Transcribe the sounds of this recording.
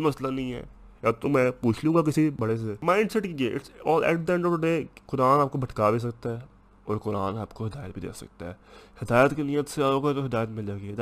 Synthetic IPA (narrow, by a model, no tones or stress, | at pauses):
mɐslanəɦĩːɦɛ̰ː | jaːt̪omɛ̃ːpuːt͡ʃʰlũːŋɡaːk̬ɪsibəɽes̬emãːɪ̃ɳɖsɛʈkiːɡeʔɪʈɔːlɛ̰ːʈ̚d̪ɛ̃ɳɖəʊekʊɾaːnaːp̚kobʱəʈkaːbis̬əkt̪aɦɛː | ɔːɾkʊɾaːnaːpkoɦɪd̪aːjət̪̚bʱid̪ḛːksə̰kt̪aɦɛːhɪd̪aːjət̪kenɪjət̪seaːoːket̪oɦɪd̪aːjət̪mɪld͡ʒaɡi